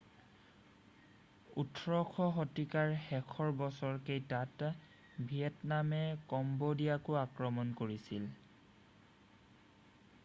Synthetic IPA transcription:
utʰɹɔkʰɔɦɔtikaɹxɛkʰɔɹbɔsɔɹkejtat | bʱijɛtnamɛkɔmbodiakʊakɹɔmɔnkoɹisil

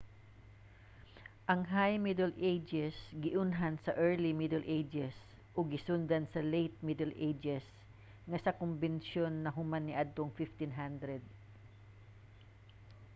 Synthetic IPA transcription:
ʔɐŋɦajmid̪ɛlʔejd͡ʒɛsɡɪʔʊnɦansɐʔɛɹlimɪd̪ɛlʔejd͡ʒɛs | ʔoɡɪsʊnd̪ɐnsɐlejt̪̚mid̪ɛlʔejd͡ʒɛs | ŋasɐkʊmbɛnʃonːɐɦʊmanːɪʔad̪̚t̪oŋfɪft̪ɪnɦand̪ɾɛd̪̚

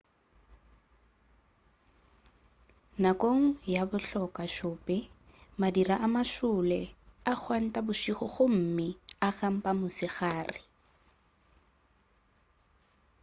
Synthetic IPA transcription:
nakʼoŋ̩jabʊɬɔkʼaʃʊːpʼɪ | madiɾaʔamaʃʊlɛak͡xʰwan̩tʼabʊʃiχʊχʊm̩mɪaɣam̩pʼamʊsɪɣaːrɪ

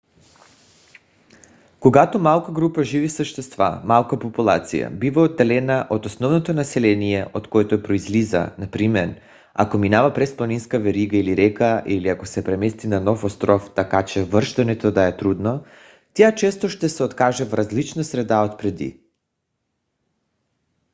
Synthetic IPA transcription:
koɡat̪omalˠkaɡɾupaʒivifsəʃt̪ɛst̪va̰malˠkapopulˠa̰t̪sḭja̰bivaod̪ːɛlɛnaʔot̪osnɔvnot̪onasɛlɛnijɛʔot̪koɛt̪oɛpɾoizliza̰napɾimɛɾ | a̰kominavapɾɛsplˠaninskavɛɾiɡailiɾɛkaʔiliakosɛpɾɛmɛst̪inanɔfost̪ɾɔft̪akat͡ʃɛvr̩ʃt̪ɛnɛt̪od̪aɛt̪ɾud̪no | t̪ɛjat͡ʃɛst̪oʃt̪ɛsɛot̪kaʒɛvɾazlit͡ʃnasɾɛd̪aot̪pɾɛd̪ḭ

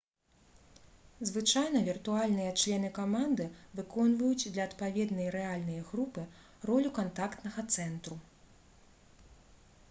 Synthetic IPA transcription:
zvɨt͡ʂajnɐvʲirt̪ualʲnɨjɐt͡ʂlʲɛnɨkamand̪ɨvɨkɔnvɐjut͡sʲd̪lʲɐːt̪pavʲɛd̪nɐjɾɛalʲnɐjɐɣɾupɨ | rɔlʲukant̪akt̪nɐɣɐt̪sɛnt̪ɾu

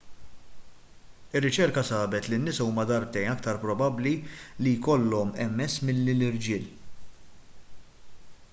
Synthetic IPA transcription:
ɪrːɪt͡ʃɛɾkɐsɐːbɛt̪linːɪsɐuːmɐd̪ɐɾt̪ɛjnɐkt̪ɐɾpɾɔbɐblilijkɔlːɔmɛmːɛsːmɪlːilɪɾd͡ʒɪːl

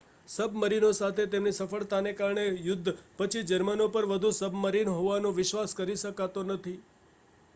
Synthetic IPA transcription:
səbʱməɾinosat̪ʰet̪emnisəfəɭt̪anekaɾɳejʊd̪ʱːpət͡ʃʰid͡ʒəɾmənopəɾʋəd̪ʱusəbʱməɾinɦoʋanõʋɪʃʋaskəɾiʃəkat̪onət̪ʰi

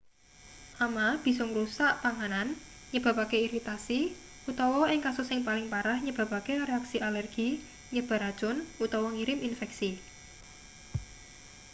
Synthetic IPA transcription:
ʔamab̥i̤sʊŋɾusaʔpaŋanan | ɲəb̥a̤pakeiɾit̪asi | ut̪ɔwɔɪŋkasʊsɪŋpalɪŋpaɾahɲəb̥a̤pakereaksiʔalɛrɡ̥i | ɲəb̥a̤ɾad̥ʒ̥ʊnut̪ɔwɔŋiɾɪminfɛksi

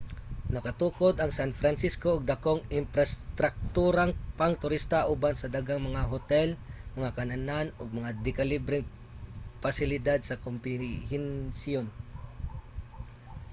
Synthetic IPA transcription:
nɐkat̪uːkod̪ɐŋsanfɾansiskoʊɡ̚d̪akoŋɪmpɾɐst̪ɾak̚t̪uːɾaŋpaŋt̪ʊɾist̪aʔubansɐd̪aɡaŋmɐŋaɦot̪ɛlmɐŋakɐnananoɡ̚mɐŋad̪ɪkalibɾɪŋ | pasɪlɪd̪ad̪̚sɐkompɪhɛnsjon

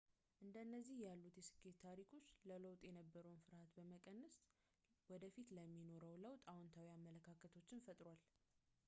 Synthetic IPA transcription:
ʔɨnd̪əɨnːəzːihjalːut̪jɛsɨ̥kʼːet̪t̪ːʰaɾikʰo̞t͡ʃːlələwt̪ʼjɛnəbːəɾəwnfɨɾhat̪bəməkʼənːəs | wɔd̪əfit̪ləmːino̞ɾəwləwt̪ʼawɔnt̪ʰawiamːələkʰakʰət̪ʰo̞t͡ʃːɪnfət̪ʼɾwal

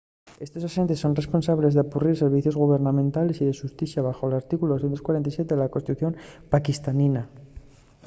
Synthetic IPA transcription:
e̞st̪o̞sase̞nt̪esːo̞nre̞spo̞nsaβle̞zðeakuriɾse̞ɾβiθjozɣuβe̞ɾnamẽnt̪ale̞siðe̞ʃust̪iθjaβaxo̞elaɾt̪ikulo̞sθjent̪okwaɾent̪ajsje̞t̪eðelakonst̪it̪uθjo̞mpakist̪anina

